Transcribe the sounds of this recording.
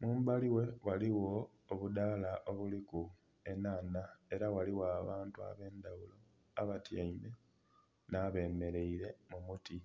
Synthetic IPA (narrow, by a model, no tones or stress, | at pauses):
muːmbaliwe̞waliwo̞ː | βudaːlaʔoβuliku | e̞naːnae̞ɾawaliwaːβaːntua̰βe̞ːnd̪awulo̞ | aβatjaime̞ | naːβe̞ːme̞ɾe̞iɾe̞mumuti